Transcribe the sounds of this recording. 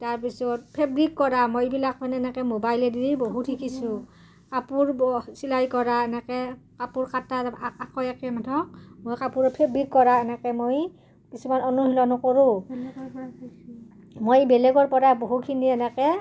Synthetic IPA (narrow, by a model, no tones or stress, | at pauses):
taɹpisɔt̚pʰɛbɹikːɔɹamojibilak̚manɛɛnɛkɛmobajlɛdiɹiboɦutʰːikʰisʊ̃ | kapuɹsilajkɔɹaɛnɛkɛkapuɹkataakɔjɛkɛmatʰɔk̚mojkapuɹɔpʰɛbɹikːɔɹaɛnɛkɛmoj | kisumanɔnuɦilɔnɔkoɹʊ̃ | mojbɛlɛɡɔɹpɔɹaboɦukʰiniɛnɛkɛ